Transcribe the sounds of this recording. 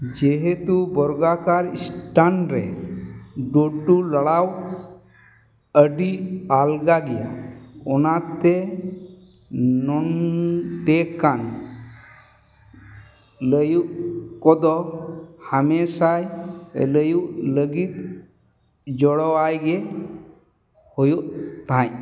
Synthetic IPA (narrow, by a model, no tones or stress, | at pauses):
d͡ʒeɦet̪ubɔɾɡakaɾḭsʈanɾḛ | ɖoʈːuləɽaw | əɖialɡaɡijaɔnat̪ːe | nːɔnʈekːan | ləjuʔkɔd̪ɔhamesaj̰ləjuləɡit̪̚ | d͡ʒɔɽɔajɡe | hojuʔt̪ãj